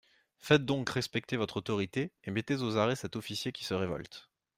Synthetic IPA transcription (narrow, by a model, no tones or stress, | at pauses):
fɛt̪̚d̪ɔ̃kʁɛspɛk̚t̪evɔt̪χot̪ɔʁit̪eemet̪ezozaʁɛsɛt̪ɔfisjekʲi̥səʁevɔ̰lt̪